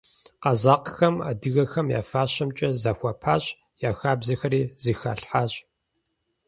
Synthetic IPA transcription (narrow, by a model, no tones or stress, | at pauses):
qɐzaːqxɐma̰ːdɨɣɐxɐmja̰ːfaːɕɐmt͡ʃʼɐzaxʷɐpʰaːɕʼ | jaːxaːbzɐxɐɾiːzɨxa̰ːɬħaːɕʼ